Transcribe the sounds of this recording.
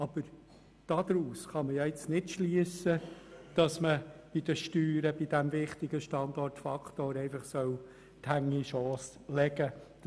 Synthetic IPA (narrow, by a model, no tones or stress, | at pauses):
ɑb̥əɾ | d̥ɑd̪ɾuːsχɑməjɑːɪt͡snɪtʃliəsəd̥ɑsməb̥id̥̪əʃtyːɾəbid̥æmvɪχt̪ɪɡəʃtɑnd̪ɔrtfɑkt̪oːɾɛɪfɑχsœw | thæŋiʃɔːs | lɛɡə